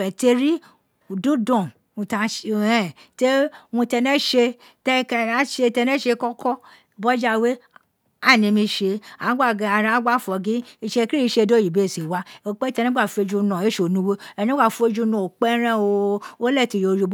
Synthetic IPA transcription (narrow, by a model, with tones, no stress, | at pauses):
ɛ̃˨te˧ɾi˦˨ | dũ˦dɔ̃˦˨ | ũ˧ta˧ɛ˦˨te˦wũ˧tɛ˧nɛ̃˦ʃe˧ | tɛ˧kɛ˧˨a˨˦ʃe˧tɛ˧nɛ̃˦ʃe˧kɔ˦kɔ˦ | bɔ˦d͡ʒa˦˧we˦ | a˦˨nĩ˧mĩ˧ʃe˧a˨˦ɡ͡ba˦˨ɡa˨˧a˨˧ɾã˧˦ɡ͡ba˦˨fɔ˨ɡĩ˨˦i˧ʃe˧kɾi˦i˧˦ʃe˧˨do˦ji˨be˨˦˨si˨wa˦˨o˧k͡pe˦tɛ˧nɛ̃˦ɡ͡ba˦˨fu˧e˧d͡ʒu˧nã˨e˦ʃo˨nũ˨˦we˦ɛ˨nẽ˦ɡ͡ba˦˨fu˧˦e˧d͡ʒu˧˦nɔ̃˨o˨k͡pɛ˦ɾɛ̃˦˨o˧o˦lɛ˦˨ti˧˨jo˨˧ɾu˧˦b